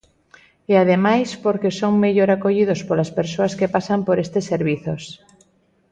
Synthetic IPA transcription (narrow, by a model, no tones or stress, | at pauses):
eað̞emajspoɾkesoŋmeʎoɾakoʎið̞ospolaspeɾsoaskepasampoɾest̪eseɾβ̞iθos